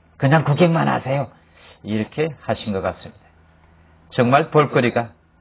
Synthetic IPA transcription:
kɯɲaŋkoɡeŋmana̰sʰejo | iɾʌkʰe̞haɕʰinɡʌk͈as͈ɯmɲid̥a | t͡ɕʌŋmaɭpoɭk͈ɯɾik͈a

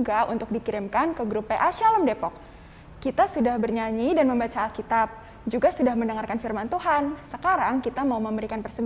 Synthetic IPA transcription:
ɡaṵnt̪ʊk̚dikiɾɪmkankəɡɾupːeʔaʃaləmdepɔk̚ː | it̪asudahbərɲaɲidanməmbat͡ʃaːlkit̪ap̚ | d͡ʒuɡasudahməndəŋarkanfirmant̪uɦansəkaɾaŋkit̪amauməmbəɾikanpərsəb

